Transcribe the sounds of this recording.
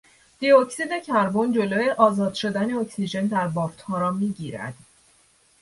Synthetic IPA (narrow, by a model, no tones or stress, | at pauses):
d̪̥iocsid̪e̞cʰæɾbond͡ʒo̞loːje̞ʔɒːzɒːd̪̥ʃo̞d̪æneocsiʒe̞nd̪æɾbɒːɾt̪hɒːɾɒːmiːɟiːɾæ̰d̪̥